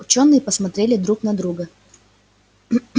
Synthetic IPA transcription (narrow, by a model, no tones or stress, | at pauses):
ʊt͡ɕonːɨjəpəsmɐt̪ɾʲelʲɪd̪ɾuknɐd̪ɾuɡə